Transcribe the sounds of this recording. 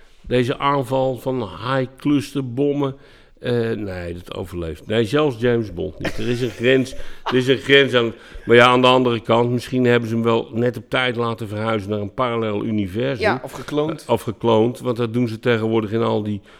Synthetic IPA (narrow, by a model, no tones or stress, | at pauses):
dejzəʔaːnvɑlˠfɔnhajkløstəbɔmə | əneːdɔtʰo̰wvərlejftnejzɛlˠsd͡ʒeːmsbɔ̰lˠtnḭtdərɪsənxrɛnsdərɪs̬ənxrɛnsanmarjaːndəɑndərəkɑntmɪsχinhɛbənzəəmʋɛlˠnɛtɔp̚tɛjtlaːtəvərhœɥzənaːrənparalɛlˠy̰nivɛrzəməkonɔfxəklowntʋɑntdɔt̚dunzəteɣənʋʊədəxɪnɔlˠdi